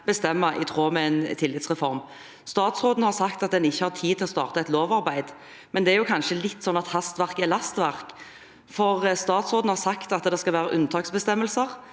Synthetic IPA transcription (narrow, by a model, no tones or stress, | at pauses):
b̥əst̪ɛmːɑʔɪ̰t̪ʰʁoːmɛɛnt̪ʰɪlːɪt̪sʁɛfɔɾm | st̪ɑːt̪sʁoːd̪nəhɑɾsɑkt̪ɑt̪̚d̪ɛnɪçːəhɑɾt̪ʰiːt̪ʰɪlɔst̪ɑ̰ːʁt̪əɛt̪loːʋɑɾbæɪd̪ | mɛnd̪ɛæɾjʊkʰɑnʃəlɪt̪ːsɔnːɑt̪hɑst̪ʋæʁkɛlɑst̪ʋæʁk | fɔʁst̪ɑːt̪sʁoːd̪n̩hɑɾsɑkt̪ɑt̪d̪ɛskɑlʋæːɾəʔʉnt̪ʰɑːksbəst̪ɛmːəlsəʁ